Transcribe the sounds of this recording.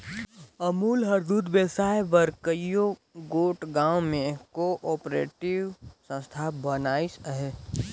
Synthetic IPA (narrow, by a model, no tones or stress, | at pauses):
əmuːlɦɐɾd̪uːd̪beːsaːjʋəɾkəjoɡoːʈɡãːwmẽkoʔɔːpɾḛːʈɪʋsə̃st̪ʰabənaːisɦɛ